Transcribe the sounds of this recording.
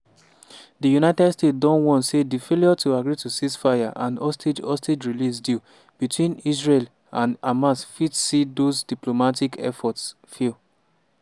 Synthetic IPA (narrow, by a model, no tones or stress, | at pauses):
dijunaɪtɛdstet̚dɔ̃nwɔ̃nsedifeliɔtʰuaɡɹitusisfaɪaʔãnɔstʰed͡ʒɔstʰed͡ʒɹilis̬di | b̥itwĩnis̬ɹel | ãnamasfitsidozdiplomatikʰɛ̰fɔts | fil